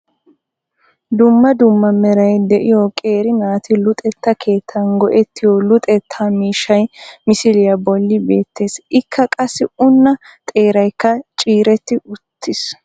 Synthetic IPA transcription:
d̪ʊmːɐd̪ʊmːɐmɛɾɐjd̪ɛʔɪjɔkʼe̞ːɾɪnaːt̪ɪlʊt̪ʼɛt̪ːɐkʰe̞ːt̪ʰːɐnɡɔʔɛt̪ːɪjɔlʊt̪ʼɛt̪ʰːamiːʃɐjmɪsɪlɪjɐbɔlːɪbe̞ːt̪ʰːe̞ːsɪkʰːɐkʼɐsːɪʊnːɐ | t̪ʼe̞ːɾɐjkːɐt͡ʃʼiːɾɛt̪ːɪʔʊt̪ʰːɪs

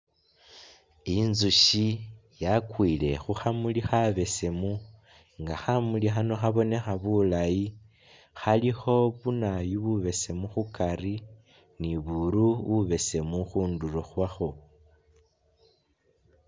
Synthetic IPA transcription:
inzuʃijakwiːle̞̰xuxamulixaβe̞se̞mu | ŋɡaxamulixano̞xaβo̞ne̞xaβulaji | xalixo̞βunajuβuβe̞se̞muxukari | niβuɾuβuβe̞se̞muxuːnduloxwaxo̞

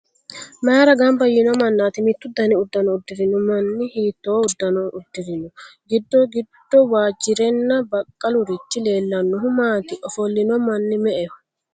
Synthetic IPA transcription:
mɐɾɐɡambɐjːɪnɔmɐnːaːt̪ɪmɪt̪ːʊd̪ɐnɪʊd̪ːɐnɔʊd̪ːɪɾɪnʊmɐnːɪhiːt̪ːoːʊd̪ːɐnɔʔʊd̪ːɪɾɪnɔɡɪd̪ːɔɡɪd̪ːɔwaːd͡ʒːɪɾɛnːɐbɐkʼːɐlʊɾɪt͡ʃːɪle̞ːlːɐnːɔɦʊmaːt̪ɪʔɔfɔlːɪnɔmɐnːɪmɛʔɛ

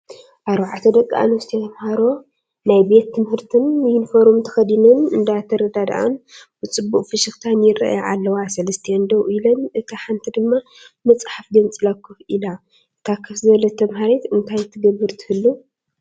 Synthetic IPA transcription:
ʔaɾbaʕat̪ʰɐd̪ɐkʼːaʔa̰nust̪ʰet̪ʰɐmhaɾo̞ | najbe̞t̪ːɨmhɨɾt̪ʰɨnjɪnfoɾomt̪ʰɐ̥xɐd̪inunɨnd̪at̪ʰɐɾɐd̪ad̪ʔa̰nbɨt͡sʼɨbːukʼfɨʃɨxt̪ʰanjɪrːa̰ʔja̰ʕa̰lːɐwasɐlɐst̪ʰijɛnd̪ɐwʔilɐnɨt̪ʰaħant̪ʰid̪ɨmːa | mɐt͡sʼħafd̪ɐnt͡sʼɨlakːɨfila | ɨt̪ʰakʰːɐfzɨɐlɐt̪ʰɐmɦaɾet̪ɨnt̪ʰajt̪ʰɨɡɐbːɨɾt̪ʰɨ̥hɨlːu

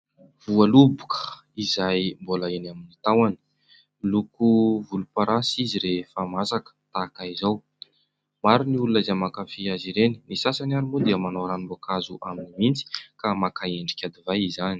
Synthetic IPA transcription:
v̥ualubukʰə̥ | izajmbolaenaminit̪awani̥ | lukuvulupaɾʔasiziɾefamasakə̥t̪akaizaw | maɾuniulunaizamakafiaziɾeni̥nisasanaɾimud̪eəmanowɾanimbokazuʔaminimint͡si̥kamakaeɳɖ͡ʐi̥kʲad̪ivajizani̥

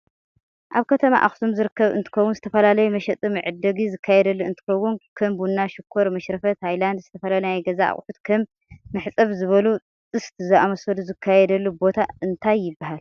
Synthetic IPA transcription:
ʔaβkʰɐt̪ʰɐma̰ʔa̰xsʰomzɨɾɨkːɐβɨ̰nt̪ʰɨ̥kɐwːunzɨt̪ʰɐfɐlalɐjumɐʃɐt̪ʼɨmɨʕɨd̪ːɐɡizɨkʰːajɛd̪ɐlːuɨnt̪ʰɨ̥kɐwːunkʰɐmbunːaʃɪkʰːoɾmɐʃɾɐfɐt̪hajland̪zɨt̪ʰɐfɐlalunajɡɐza̰a̰χʼħut̪kʰɐmː | ɨħt͡sʼɐβzɨβɐlu | t͡s̪ʼɨst̪ʰzɨʔamɐsɐd̪uzɨkʰːajɛd̪ɐlːubo̞t̪ʰaɨnt̪ʰajːɪbːahal

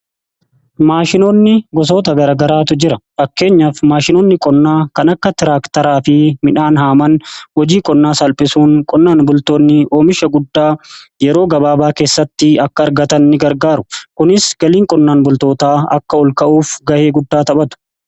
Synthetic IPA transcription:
maːʃɪnoːnːɪɡɔs̬o̞ːt̪ɐɡɐɾɐːɡɐɾaːt̪ʊd͡ʒɪɾɐfɐkːe̞ːɲːɐfmaːʃɪnoːnːɪkʼɔnːaːkɐnɐkːɐt̪ɪɾaːkt̪ɐɾaːfɪmɪᶑaːnɦaːmɐnhɔd͡ʒiːkʼɔnːaːsɐlpʼɪsuːŋkʼɔnːaːnbʊlt̪oːnːɪʔo̞ːmɪʃɐɡʊd̪ːaːjɛɾo̞ːɡɐbaːbaːke̞ːsːɐt̪ːɪɐkːɐːɾɡɐt̪ɐnːɪɡɐɾɡaːɾʊkʊnɪsɡ̥ɐliːŋkʼɔnːaːnbʊlt̪o̞ːt̪aːɐ̰kːɐɔlkɐʔuːfɡɐʔe̞ːɡʊd̪ːaːt̪ɐɓɐt̪ʊ̥

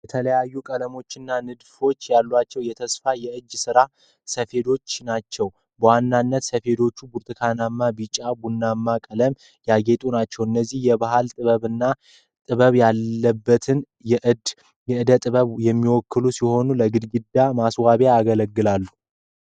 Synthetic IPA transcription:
jjɛt̪ʰələjajːukʼələmo̞t͡ʃːɪnːanɨd̪fo̞t͡ʃːjalːwat͡ʃːɛwjɛt̪ʰəsfajɛɨd͡ʒːsɨɾa | səfe̞d̪o̞t͡ʃːnat͡ʃːɛw | bəwanːanːət̪səfe̞d̪o̞t͡ʃːubuɾt̪ʰʼɨkʰanamːabɨt͡ʃʼabunːamːakʼələm | jaɡe̞t̪ʼunat͡ʃːɛwɨnːəzːihjɛbaɦalt̪ʼɨβəβɨnːa | t̪ʼɨβəβjalːəbːət̪ʰɨn | jɛʔɨd̪ | jɛɨd̪ət̪ʼɨβəβjɛmːiwɔkːɨlusiho̞nuləɡɨd̪ɡɨd̪amaswaβeaɡələɡːɨlalːu

